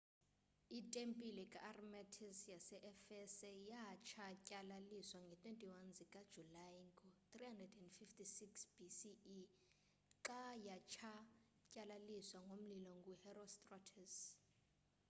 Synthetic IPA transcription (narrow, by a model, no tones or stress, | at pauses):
itʼempʼilɛkʼaʔːrmɛtʰisjasɛʔɛfɛsɛjat͡ʃʰacʼalaliswaŋɡʱɛtʰʼwentʼiwanzikʼad̥ʒ̥ʱulajŋɡʼɔt̪rihandrɛdɛndfiftʰisiksb̥isiː | ǁajat͡ʃʰa | cʼalaliswaŋɡʱom̩lilɔŋɡʱuhɛrɔstʼrɔtʰɛs